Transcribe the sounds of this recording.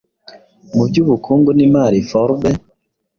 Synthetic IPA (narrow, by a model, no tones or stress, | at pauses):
mubɟuːβukʰuːŋɡunimaɾifoɾbe